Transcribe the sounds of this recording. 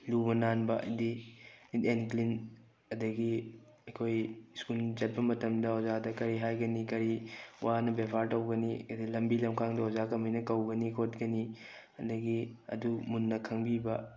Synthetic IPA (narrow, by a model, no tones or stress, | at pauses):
lubɐnanbɐʔɐ̰jdi | enklin | ɐdɐɡi | ɐkʰojskult͡ʃɐt̚pɐmɐtɐmdɐozadɐkɐɾiɦajɡɐnikɐɾiwanɐbepʰaɾtɐwɡɐnidilɐmbilɐmkʰaŋdɐozakɐmijnɐkɐwɡɐnikʰot̚ɡɐni | ɐdɐɡiɐ̰dumunːɐkʰɐŋbibɐ